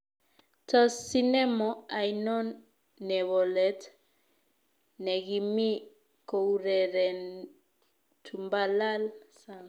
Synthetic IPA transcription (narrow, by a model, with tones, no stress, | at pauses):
tɔ˨si˦nɛ˦mɔa˨jnɔ˦nː | ɛ˨βɔ˨lɛt | nɛ˨ɣi˨mi˦ | ko˨uɾɛ˨ɾɛ˨n | tʰu˨mba˦la˦lsaŋ